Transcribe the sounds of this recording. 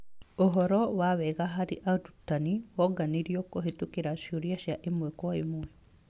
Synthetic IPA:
ɔɦɔɾɔwawɛɣaɦaɾḭʔadutːaniwɔɡaniɾjɔkoɦet̪ukeɾaʃoɾjaʃjaʔimuekwaḭmuɛ

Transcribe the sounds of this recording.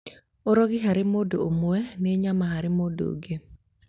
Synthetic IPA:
oɾoɡɪɦaɾɪmodoomoɛneɲamahaɾɪmodo̰ɡe

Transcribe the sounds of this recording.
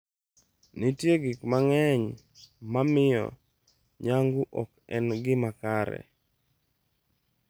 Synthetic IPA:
nɪtjeɡɪkmaŋɛɲ | mamɪjɔ̰ | ɲaŋɡuʔɔkɛnɡɪmakaɾɛ̰

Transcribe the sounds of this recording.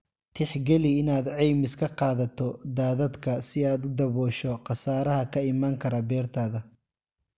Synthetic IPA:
t̪ʰɪħɡɛliɪnaːd̪ʕɛjmɪskʰɐqɑːðɐt̪ʰɔd̪aːðɐd̪kʰɐsɪaːd̪ʊd̪ɐβɔːʃɔqɑsaːɾɐɦɐkʰɐɪmaːŋkʰɐɾɐbɛːrt̪ʰaːðɐ

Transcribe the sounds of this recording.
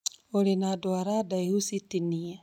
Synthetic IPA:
oɾinadoaɾadaihusitinia

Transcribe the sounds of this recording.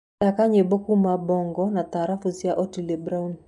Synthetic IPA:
akaɲebokumabɔŋɡɔnat̪aɾafusjaʔɔtilebɾaun

